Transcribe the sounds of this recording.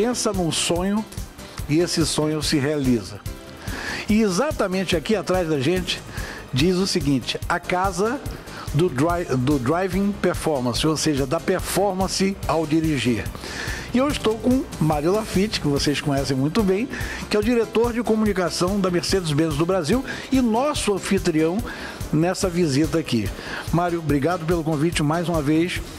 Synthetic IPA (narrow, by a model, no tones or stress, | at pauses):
pẽsɐnũsõɲʊ | ɪesɪsõɲʊsɪɦealizɐ | ɪezat̪ɐmẽnt͡ʃɪakiat̪ɾazd̪ɐʒẽnt͡ʃɪ̥ | d͡ʒizʊsɪɡĩnt͡ʃɪ̥ɐkazɐ | d̪ʊd̪ʊd̪ɾajvĩpeɾfɔɾmɐ̃sɪoseʒɐd̪ɐpeɾfɔɾmɐ̃sɪawd͡ʒiɾiʒiɾ | ɪewɪst̪owkõmaɾjʊlafit͡ʃɪ̥kɪvoseskõɲɛsẽj̃mũj̃t̪ʊbẽj̃kɪɛʊd͡ʒiɾet̪oɾd͡ʒɪkomunikasɐ̃w̃d̪ɐmeɾsed͡ʒʊzbẽnʊzd̪ʊbɾaziwɪnɔsʊɐ̃fit̪ɾiɐ̃w̃ | nɛsɐvizit̪̬ɐakḭ | maɾjʊbɾiɡad̪ʊp̬elʊkõvit͡ʃɪmajzũmɐvejs